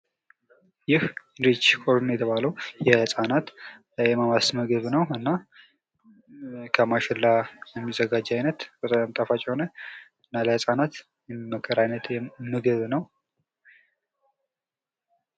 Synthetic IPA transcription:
jɪh | ɾit͡ʃːkʼoɾnjɛt̪ʰəβaləwjɛhɨsʼanat̪ | jɛməmasməɡɨβnəwɨnːa | kʰəmaʃɪlːajɛmːizəɡad͡ʒːajnət̪bət̪ʼamt̪ʼəfat͡ʃʼɛho̞nə | ɨnːaləhɨsʼanat̪ | jɛmməkʰːəɾajnət̪jɛmɨɡɨβnəw

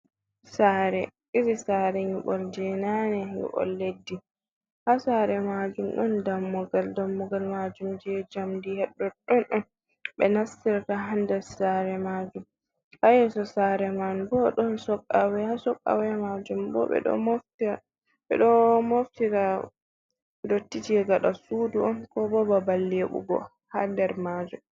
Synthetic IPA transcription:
saɾɛʔiɾisaɾɛɲuɓɔld͡ʒɛnanɛɲṵɓɔ̰lːedːi | hasaɾɛmad͡ʒumɗɔndamːɔɡaldamːɔɡalmad͡ʒumd͡ʒɛd͡ʒamdihɛɗːɔɗɔnɗɔn | ɓɛnasːiɾakaɦandɛsaɾɛmad͡ʒum | ʔajɛsɔsaɾɛmanbɔɗɔnsɔkʼːawɛhasɔkʼːa̰wɛmad͡ʒumbɔ̰ɓɛ̰ɗɔ̰moftia | ɓɛ̰ɗɔmoftiɾa | dotːitiɛɡaɗasuːduɔnkɔbɔbabalːeɓṵɡɔ̰ | hadɛɾmad͡ʒum

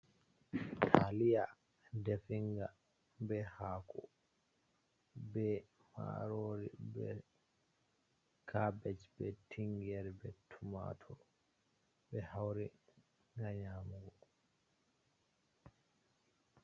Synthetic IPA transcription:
tʰalija | defiŋɡa | bɛhaːkʰɔ | bɛ | ma̰ɾoɾḭbɛ | kʰabɛt͡ʃbɛtʰiŋɡɛɾbɛtʰuma̰tʰɔ | bɛhawɾi | ŋaɲaːmuɡɔ

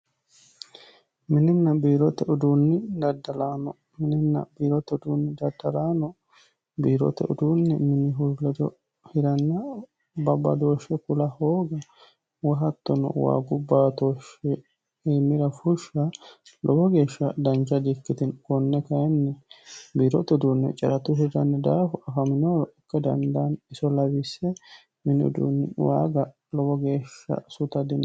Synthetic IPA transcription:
mɪnɪnːɐbiːɾɔt̪ːɛɔd̪uːnːɪd̪ɐd̪ːɐlaːnɔ | mɪnɪnːɐ̰biːɾɔt̪ːɛʊd̪uːnːɪd̪ɐd̪ːɐlaːnɔ | biːɾɔ̰t̪ːɛ̰ʔʊ̰d̪uːnːɛ̰mɪnɪɦʊɾlɛd̪ɔ̰ | hɪɾɐnːɐ | bɐbɐ̰d̪o̞ːʃːɛkʊlɐhoːɡɐ | wɐɦɐt̪ːɔnɔ̰wa̰ːɡʊbːaːt̪oːʃɛ | eːmːɪɾɐfʊʃːɐlʔɔbɔɡe̞ːʃːɐd̪ɐnd͡ʒɐd̪ɪkːɪt̪ɪnkɔnːɛkɐjɛnːɛbiːɾɔt̪ːɔd̪uːnːɛ̰t͡ʃʼɐɾɐt̪ʊɦɪd̪ɐnːɛd̪aːfʊʔɐfɐmɪnoːɾɔʔɪkːɛd̪ɐ̰nd̪anɪsɔlɐwɪsɛ | mɪnɔ̰d̪ṵːnːɛwa̰ːɡɐ | lɔbɔɡe̞ːʃːɐ̰sʊt̪ɐd̪ɪn

